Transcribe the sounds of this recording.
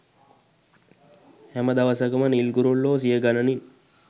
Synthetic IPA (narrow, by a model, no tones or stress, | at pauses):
hɛməd̪aʋɐsɐkɐmənilɡuɾulːoːs̬ijəɡanɐnin